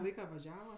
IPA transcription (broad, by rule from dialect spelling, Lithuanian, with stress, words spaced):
ˈlˠɐɪkɐ ʋɐˈʒʲæːʋɐ